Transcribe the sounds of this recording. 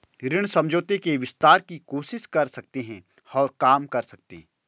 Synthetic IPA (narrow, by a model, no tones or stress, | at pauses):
ɾɪɽ̃sɐ̃md͡ʒʱoːt̪ekeʋɪst̪aːɾkikoːʃɪʃkɐɾsɐk̚t̪eɦɛ̃ | ɔːɾkaːmkɐɾsɐk̚t̪ḛː